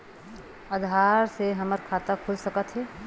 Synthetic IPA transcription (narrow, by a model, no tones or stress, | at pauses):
əd̪ʱaːɾseɦəməɾkʰaːt̪akʰulsəkət̪ɦɛː